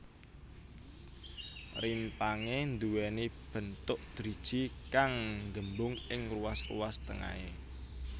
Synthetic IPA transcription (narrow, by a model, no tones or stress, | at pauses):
rimpaŋend̪uwɛnib̥ə̤nt̪ʊʔd̪̥ɾid̥ʒ̥ikaŋŋɡəmbʊŋɪŋruasrṵwast̪əŋa̰e